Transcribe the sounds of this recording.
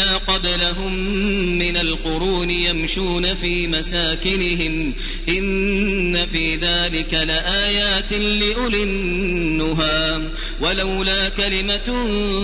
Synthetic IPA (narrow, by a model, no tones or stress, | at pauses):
aːqɑblaɦʊmː | ɪnalqʊɾuːnɪjamʃuːnafiːmasaːkɪnɪɦɪm | ʔɪnːafiːðaːlɪkalɪʔaːjaːt̪ɪliːʔʊlɪnː | ʊɦaː | walawlaːkalɪma